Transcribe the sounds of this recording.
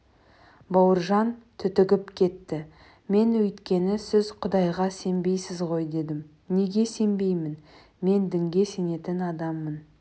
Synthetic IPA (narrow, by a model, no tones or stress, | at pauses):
bɑwəɾʒɑnt̪ʰʏt̪ɪɡʲɪpkʲʰe̞t̪ːɪ | me̞nwɵjt̪kʲe̞nɪsɪzqʰʊd̪ɑjʁɑse̞mbe̞jsɪzʁo̞jd̪e̞d̪ɪm | ne̞ɡʲe̞se̞mbe̞jmɪn | me̞nd̪ɪŋɡʲe̞se̞ne̞t̪ɪnɑd̪ɑmːən